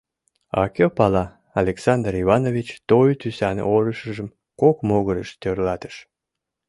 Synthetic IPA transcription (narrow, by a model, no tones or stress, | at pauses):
ɑ̰kʲopɑlɑ | ɑlʲeksɑnd̪riβɑnovʲit͡ɕt̪ojt̪ysɑn̰oɾəʃəʒəm | kokmoɣəɾəʃt̪ørlɑt̪ə̥ʃ